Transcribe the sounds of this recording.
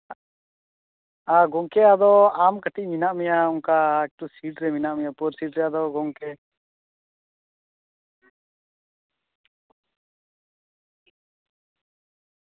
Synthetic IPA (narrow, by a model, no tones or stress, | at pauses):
aɡɔŋkɛad̪ɔamkəʈiʔ̚minaʔmɛjauŋkaɛk̚ʈusiʈɾɛminaʔmɛjapuɾsiʈɾɛad̪ɔɡɔŋkɛ